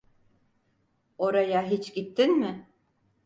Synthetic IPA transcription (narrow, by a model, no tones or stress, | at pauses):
oɾajaɦit͡ʃɟit̪ʰːinmɪ